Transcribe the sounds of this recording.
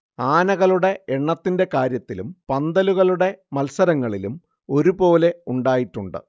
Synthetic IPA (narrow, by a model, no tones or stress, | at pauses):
aːnɐɣɐɭuɽe̞eɳːɐt̪ːinde̞kaːɾjɐt̪ːilumpɐnd̪ɐluɣɐɭuɽe̞mɐlsɐɾɐŋːɐɭilum | o̞ɾupo̞ːle̞uɳɖaːjiʈːuɳɖɨ̰